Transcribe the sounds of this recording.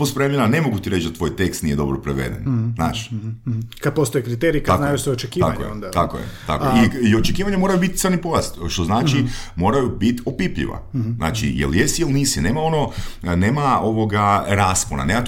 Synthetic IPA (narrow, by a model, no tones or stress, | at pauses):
ospɾemjenane̞mo̞ɡut̪iɾe̞t͡ʃd̪at̪ʋo̞ːjt̪ekst̪nije̞d̪o̞̰bɾopɾeʋḛd̪ḛnzna̰ːʃ | kad̪̚post̪ojekɾit̪eɾikaanajusoot͡ʃekiːako̰jḛt̪ako̰jḛt̪a̰kojiio̞t͡ʃekiːʋaɲamo̞ːɾajubit̪səɾnipojast̪ʃt̪o̞znaːt͡ʃimo̞ːɾajubit̪opipʎḭʋa̰zna̰ːt͡ʃḭjḛljesijilniːsine̞ːmao̞no̞ne̞ːmaoʋo̞ɡaɾaːspona̰neːmat̪